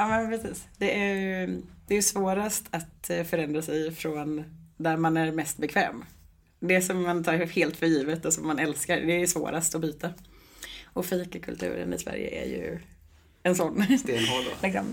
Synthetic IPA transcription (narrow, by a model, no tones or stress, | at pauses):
ɑːmɛnpʰɾɛsiːsd̪ɛʔæjɾd̪̥ɛːjɵsvoːɾast̪ʰat̪fœɾɛnd̪ɾasɛjfɾɔnd̪æɾmanæɾmɛst̪bɛkʰvɛ̰ːm | d̪ɛsɔmːant̪ʰɑːɾheːlt̪fœɾjiːvət̪ɔsɔmːanɛlskaɾd̪ɛːjɵsvo̰ːɾast̪ɔbyːt̪a | ɔfiːkakʰɵ̰lt̪ʰʉ̟̰ːɾə̰nɪ̰svæ̰ɾjə̰ʔæ̰ɾjɵ̰ | ɛnsɔnːɛnɦɔd̪̰lɪksɔ̰m